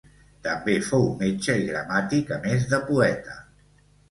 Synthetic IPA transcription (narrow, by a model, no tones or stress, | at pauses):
t̪əmbefowmet͡ʃəiɣɾəmat̪ikəmezðəpuɛt̪ə